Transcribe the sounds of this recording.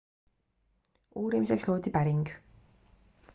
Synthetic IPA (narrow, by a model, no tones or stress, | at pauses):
uːɾimis̬eksloːt̪ipæɾiŋɡ